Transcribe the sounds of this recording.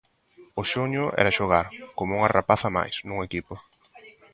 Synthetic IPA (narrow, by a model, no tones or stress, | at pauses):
ʊʃoɲʊʔɛ̰ɾaʃoɣaɾkomʊuŋarapaθama̰jsnuŋekipʊ